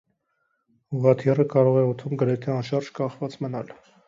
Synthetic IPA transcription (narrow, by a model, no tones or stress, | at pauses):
uʁɑt̪ʰirəkɑɾɔʁɛɔt̪ʰumɡəɾɛt̪ʰɛɑnʃɑɾʒkɑχvɑt͡smənɑl